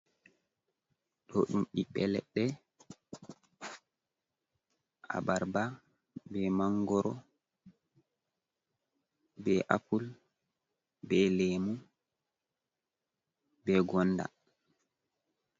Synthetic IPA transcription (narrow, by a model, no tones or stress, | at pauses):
ɗɔɗumɗiɓɛlɛɗːɛ | ʔa̰baɾba | bɛmaŋɡɔɾɔ | bɛʔapul | bɛlemu | bɛɡɔnːda̰